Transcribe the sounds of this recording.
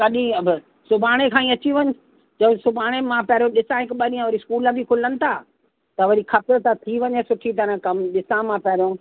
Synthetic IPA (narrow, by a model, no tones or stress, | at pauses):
kɐɗĩɐbɪ | sʊbʱaːɽ̃ekʰãːĩɐt͡ɕiʋɐɲɪ | d͡ʑɐbsʊbʱaːɽ̃emãpɐɾijõɗɪsãɦɪkɓɐɾiãʋɐɾiskuːləbʱikʰʊlənɪ̆t̪ʰaː | t̪ɐʋɐɾixʰɐt̪ɪɾt̪at̪ʰiʋɐɲesʊʈʰit̪̬ɐɾə̃kɐmɗɪsãmãpɐɦɾijõ